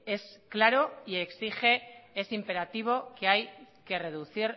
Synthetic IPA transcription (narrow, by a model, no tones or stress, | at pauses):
e̞sklaɾo̞ieksixe̞esimpe̞ɾat̪iβ̞o̞keaj | ke̞re̞ð̞uθiɾ